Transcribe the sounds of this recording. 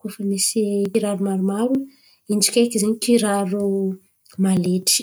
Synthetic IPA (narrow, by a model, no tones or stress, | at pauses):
kufəmisiiɾaɾumaɾumaɾu | ind͡ʒi̥kʲekizeɲikiɾaɾu | maleʈ͡ʂi̥